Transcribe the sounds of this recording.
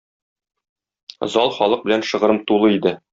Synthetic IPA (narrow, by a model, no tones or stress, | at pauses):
zɒlˠχɒlˠɤq̚bɘ̆lænʃɤ̆ʁɤ̆ɾɤmt̪ulˠɤid̪ɘ